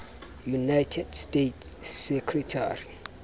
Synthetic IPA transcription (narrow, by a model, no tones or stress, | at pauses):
junajtʰedstetsekʰɾitʰa̰ɾi